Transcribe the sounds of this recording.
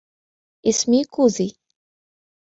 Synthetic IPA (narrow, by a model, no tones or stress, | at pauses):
ɪsmikuzi